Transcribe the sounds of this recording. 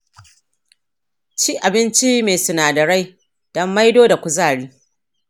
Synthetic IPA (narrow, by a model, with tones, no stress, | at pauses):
t͡ʃiː˦ʔa˨bɪ˦nt͡ʃi˦meː˨sʊ˨naː˨dɐ˨ɽa˦j | d̥ɔ˦mːa˦jdoː˦da˨kʷʊ˦˨zaː˦˨ɽiː˦